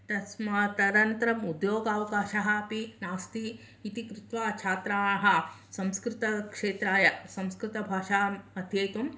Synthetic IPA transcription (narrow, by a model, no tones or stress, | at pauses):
t̪ɐsmɐt̪ɐɾɐnt̪ɐɾɐmud̪joːɡaːʋɐkaːʃɐɦɐ̆ɐpinaːst̪iː | t̪ikɾut̪ʋaːt͡ʃʰaːt̪ɾaːnɐɦɐ̆sɐ̃mskɾɪt̪ɐkʂeːt̪ɾaːjɐsɐ̃mskɾɪt̪ɐbʱaːʂaːɐt̪ʰjɐjt̪um